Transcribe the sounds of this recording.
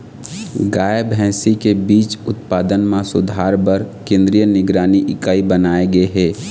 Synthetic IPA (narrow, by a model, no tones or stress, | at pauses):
ɡaːjəbʱɛ̃ːsikebiːt͡ʃʊt̪̚paːd̪ənmãsʊ̰d̪ʱaːɾbəɾkẽːnd̪ɾijənɪɡɾaːniʔɪkaːibənaːeɡəeɦɛː